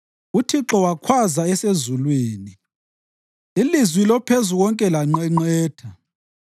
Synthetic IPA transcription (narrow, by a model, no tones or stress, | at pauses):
utʰiǁɔwakʰwazaɛsezulwiːni | ilizwilɔpʰezuɣɔŋkʼɛlaŋ͡ǀɛŋ͡ǀɛːtʰa